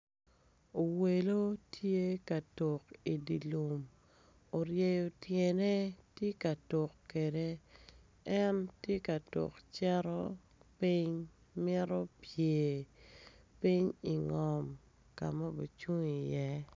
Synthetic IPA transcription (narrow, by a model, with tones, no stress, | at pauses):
o˨we˨lo˦tje˦ka˨to˨ki˨di˨lu˨m | o˨ɾje˨jo˨tje˨ne˦tje˦ka˨to˨kke˨de˦ | ɛ˦ntje˦ka˨to̰˨kt͡ʃɛ˦ɾɔ˦ | pi˦ɲ | mɪ˦ɾo˦pje˨ | pi˦ɲi˨ŋɔ˨m | ka˨ma˦bo˨t͡ʃu˦ŋi˨jɛ˦